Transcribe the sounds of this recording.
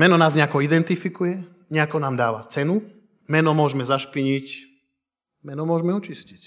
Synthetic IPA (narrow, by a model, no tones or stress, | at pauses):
mɛnɔnaːzɲɛakɔid̪ɛnt̪ifikujɛ | ɲɛakɔnaːmd̪aːʋat͡sɛnu | mɛnɔmʊɔʒmɛzaʃpiɲic | mɛnɔmʊɔʒmɛɔt͡ʃiscic